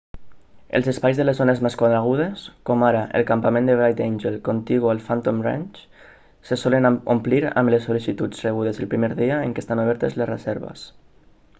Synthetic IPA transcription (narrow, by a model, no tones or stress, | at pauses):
ḛlzespajzðəlezonezmeskwaðɾaɣ̞uð̞eskomaɾaʔḛlˠkampamẽnd̪eβɾajt̪enʲʒelˠkont̪iɣualˠfant̪omra̰nʲt͡ʃ | sesɔlənompliɾa̰mlesːolisit̪ut͡sreɣ̞uð̞ezəlpɾimeɾðiəeŋkest̪anoβ̞ɛɾt̪ezlesrəzɛɾβə̰s